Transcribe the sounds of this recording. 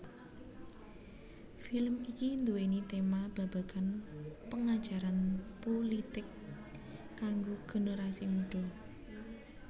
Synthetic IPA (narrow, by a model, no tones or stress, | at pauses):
filəmikind̪uwenit̪emab̥a̤b̥a̤kanpəŋad̥ʒ̥a̤ɾanpolit̪ɪkː | aŋɡoɡ̥o̤nəɾasimuɖ̥ɔ̤